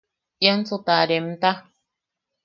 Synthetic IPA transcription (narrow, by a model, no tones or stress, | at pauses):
jan̩t͡sutaɾɛm̩ta